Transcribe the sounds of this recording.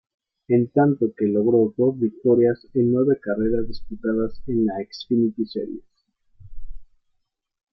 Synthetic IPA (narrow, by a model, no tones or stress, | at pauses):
e̞nt̪ant̪o̞ke̞lo̞ɣɾo̞ðoββik̚t̪o̞ɾjasenːwe̞βe̞kare̞ɾazðisput̪aðase̞nlaeksfinit̪isḛɾjḛs